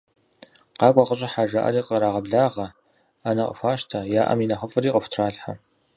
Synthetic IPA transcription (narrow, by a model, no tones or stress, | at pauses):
qɑːkʷʼɑqəɕʼɐħaːʒaʔɐ̰ɾiːqəɾaːʁɐbɮaːʁɐ | anɐqʼə̰fʷaːʃtʰajaːʔɐ̰minɐχəfʼɨɾiːqʼəftʰraːɮħa̰